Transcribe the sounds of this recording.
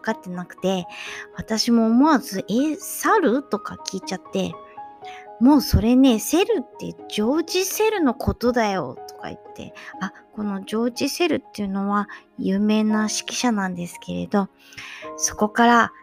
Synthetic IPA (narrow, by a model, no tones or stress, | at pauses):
βakat̪ːe̞nakɯ̟̥t̪e̞βat̪aɕimo̞ːmo̞azɨʔesaɾɯ̟t̪o̞ka̰kʲiːt͡ɕat̪ːe̞̰ | mo̞ːso̞ɾe̞ne̞se̞ɾɯ̟t̪ːe̞̰ʑo̞ːʑise̞ɾɯ̟no̞kʰo̞t̪o̞d̪ajo̞̰t̪o̥ka̰ḭt̪ʰːe̞̰ako̞no̞ʑo̞ːʑise̞ɾɯ̟t̪ːe̞jɯ̟no̞βajɯ̟ːme̞ːnaɕi̥kʲi̥ɕanãnd̪e̞sɨ̥ke̞ɾe̞̰d̪o̞ | so̞̥ko̞kaɾa